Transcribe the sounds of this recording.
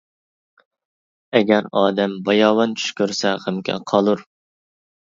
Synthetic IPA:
ɛɡʲæɾɑːd̪ɛmbɑjɑːwɑnt͡ʃʰy̥ʃkʲøɾsɛʁəmkʲʰɛ̰qʰɑlˠuɾ

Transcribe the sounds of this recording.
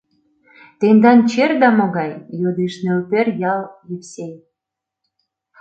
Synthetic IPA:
t̪end̪ɑnt͡ɕerd̪ɑmoɣɑjjod̪eʃnelperjɑljipsʲej

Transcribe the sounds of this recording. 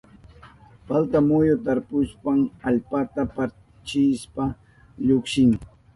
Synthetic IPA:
falt̪amʊjʊt̪aɾpʊspaŋaʎpat̪apa | t͡ʃɪspa | ʎʊkʃɪŋ

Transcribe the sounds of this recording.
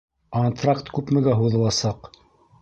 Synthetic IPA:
kont̪rakt̪kʉpmɘ̆ɡæɦuðɤ̆lˠɑsɑq

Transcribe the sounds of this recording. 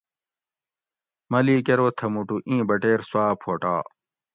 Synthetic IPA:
mɐliːkeɾoːt̪ʰɐmuʈuʔĩːbɐʈeːɾswaːpʰoːʈa̰ː

